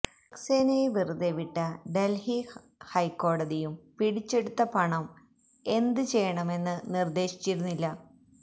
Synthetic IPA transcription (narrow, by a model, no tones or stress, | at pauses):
ɐkseːnɐjʋiruðeʋiʈːɐɖelhi | hɐjkːo̞ːɽɐðijumpiɽit͡ɕːe̞ɽut̪ːɐpɐɳɐm | e̞nd̪ɨt͡ɕe̞jɐɳɐme̞nːɨnird̪e̞ːɕi̥t͡ɕːiɾunːilːɐ